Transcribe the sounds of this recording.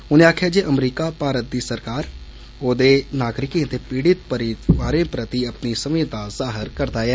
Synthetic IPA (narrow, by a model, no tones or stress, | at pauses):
ʊnẽːaːkʰjaːd͡ʒeːʔəmɾiːkaːpaːɾət̪̚d̪iːsəɾkaːɾ | oːd̪eːnaːɡɾɪkẽt̪eːpiːɽɪt̪̚pəɾit̪ʋaːɾẽːpɾət̪iəpnisəmĩːt̪azaːɦəɾkəɾd̪aːjɛː